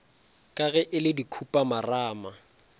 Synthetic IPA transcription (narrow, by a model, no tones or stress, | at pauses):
kʼaɣɛʔɪlɪdikʰupʼamaraːma